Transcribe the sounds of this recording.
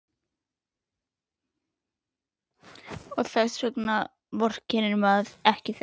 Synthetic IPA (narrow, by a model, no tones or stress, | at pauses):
ɔɣθɛsːɛkna | vɔr̥cʰɛnɪnmaðɛhcɪθ